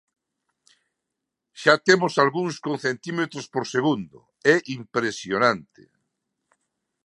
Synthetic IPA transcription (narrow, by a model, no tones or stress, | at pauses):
ʃat̪emosalɣuŋskõnθent̪imet̪ɾʊspoɾseɣund̪ʊ̰ | ɛʔimpɾesjonãnt̪ḛ